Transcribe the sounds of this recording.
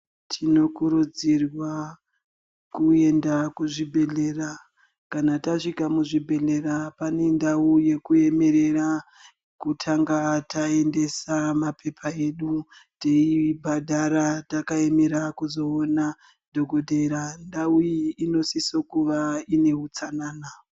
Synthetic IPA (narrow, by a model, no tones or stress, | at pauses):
tʰino̞kuɾud͡zirwa | kue̞ndakuʐibʱe̞ɮe̞ːra | kanataʂikamuʐibʱe̞ɮe̞ɾapane̞ndauje̞kue̞me̞ɾe̞ɾa | kutʰaŋɡatae̞nde̞samapʰe̞pʰae̞ɗuteibʱadʱaɾatakae̞me̞ɾakuzo̞ona | dʱoɡʱo̞dʱe̞ɾandaujiːno̞sisokuʋaine̞ɦut͡sanaːna